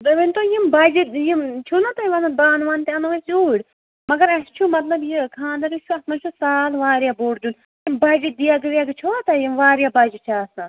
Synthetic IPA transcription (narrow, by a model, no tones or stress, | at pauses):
d̪ɐʋint̪ojimbad͡ʒijimt͡ʃʰunɐt̪ɐiʋɐnɐbaːnʋaːnt̪iɐnɐʋɐszuːɽʲ | mɐɡɐɾɐst͡ʃʰumɐt̪lɐbjikʰãːnd̪ɐɾit͡ʃʰuɐt̪mɐnt͡ʃʰusaːlʋaːɾjaboːʈd͡ʒ̪un | jimbɐːd͡ʒid̪ijaɡɨʋijaɡɨt͡ʃʰot̪ɐjimʋaːɾjabɐd͡ʒit͡ʃʰaːsã